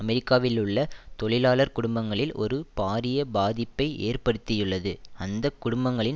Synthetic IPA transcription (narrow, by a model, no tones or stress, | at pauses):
ɐmɛɾɪkːaːʋɪlɯɭːɐt̪ɔɭɪlaːlɐɾkʊɽʊmbɐŋɡɐɭɪlʔɔ̰ɾɯpaːɾɪjɐbaːðɪpːɐɪʔḛːrpɐɽɯt̪ːɪjɯɭːɐðɯɐnd̪ɐkːʊɽʊmbɐŋɡɐɭɪn